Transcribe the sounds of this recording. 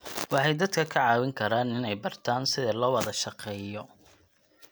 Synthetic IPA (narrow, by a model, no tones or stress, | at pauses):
wɑħɑjd̪ɐd̪kʰɐkʰɐʕɑːwɪŋkʰɐɾaːnɪnɛjbɐrt̪ʰaːnsɪðɐlɔːwɑðɐʃɑqɛːjɔ